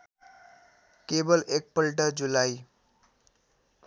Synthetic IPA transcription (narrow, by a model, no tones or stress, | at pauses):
kebʌlek̚pʌlʈʌd͡zulaj